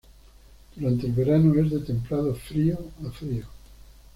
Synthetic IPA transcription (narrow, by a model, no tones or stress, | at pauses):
d̪̥uɾant̪elβeɾanoezðet̪ẽmpɾað̞ofɾioafɾio